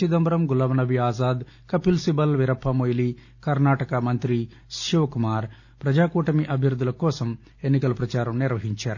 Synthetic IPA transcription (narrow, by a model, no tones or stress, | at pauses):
id̪ɐmbɐɾɐmɡulɐʋɐnɐbiaːzaːd̪ | kɐpilsibɐlʋiɾɐpʰːɐmojli | kɐɾnaːʈɐkɐmɐnt̪ɾi | sʃoːkumaːɾ | pɾɐd͡ʒaːkuːʈɐmiʔɐbʱjɐɾud̪ːulɐkɔːsɐm | enːikɐlɐpɾɐt͡ʃaːɾɐmniɾʋɐɦiɲt͡ʃaːɾu